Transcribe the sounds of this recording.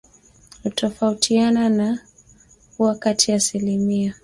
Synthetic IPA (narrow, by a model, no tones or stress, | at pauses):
hutɔfautʰianana | uwakatʰiaːsilimia